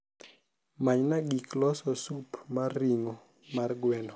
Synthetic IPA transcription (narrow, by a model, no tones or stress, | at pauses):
maɲnaɡiklɔsɔsupmarːiŋɔ | marɡwɛnɔ